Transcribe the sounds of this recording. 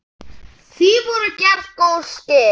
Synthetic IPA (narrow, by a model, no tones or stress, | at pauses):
θivɔɾʏcɛɾðkoːwscɪ